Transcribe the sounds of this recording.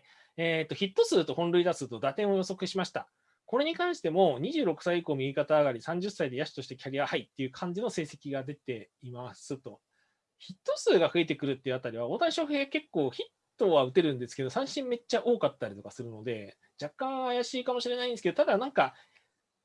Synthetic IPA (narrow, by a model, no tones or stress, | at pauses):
eːt̪ːo̞çit̪ːo̞sɨːt̪o̞hõ̞nɾɯ̟id̪asɨt̪o̞d̪at̪ẽ̞ɰ̃ojo̞so̞kɯ̟ɕimaɕi̥t̪a̰ | ko̞ɾe̞ɲ̟ikãɰ̃ɕi̥t̪e̞mo̞ɲ̟iʑɨːɾo̞kɯ̟saiiko̞ːmʲiɡʲikat̪aːɡaɾʲisãɲ̟d͡ʑɨsːaid̪e̞jaɕi̥t̪o̞ɕi̥t̪ekʲaɾʲiahait̪ːe̞jɯ̟kʰãɲ̟d͡ʑino̞se̞ːse̞kʲiɡad̪e̞t̪e̞ | imasɨt̪o̞ | çit̪ːo̞sɨːɡaɸɯ̟e̞t̪e̞kɯ̟ɾɯ̟t̪ːeɯ̟at̪aɾʲiβao̞t̪aɕo̞ɸɯ̟eːɡake̞kːo̞ːçit̪ːo̞βaɯ̟t̪e̞ɾɯ̟̃nd̪e̞sɨ̥ke̞d̪o̞sãɰ̃ɕĩmmːe̞t͡ɕːaʔo̞ːkat̪ːaɾʲit̪o̞kasɨɾɯ̟no̞d̪e̞ | d͡ʑakːãɰ̃ajaɕiːkamo̞ɕiɾe̞naĩnesked̪o̞t̪ad̪anãŋka